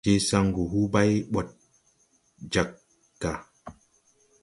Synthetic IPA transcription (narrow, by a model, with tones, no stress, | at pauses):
te˦sa˦ŋɡu˨ɦu˦ba˦jɓɔ˨t̚ | d͡ʒa˨k̚ | ɡa˨